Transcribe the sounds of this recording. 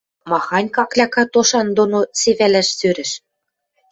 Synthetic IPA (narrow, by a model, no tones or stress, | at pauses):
mɑxɑnʲkɑklʲɑkɑt̪oʃɑnd̪onoseβælæʃsøɾɘ̆ʃ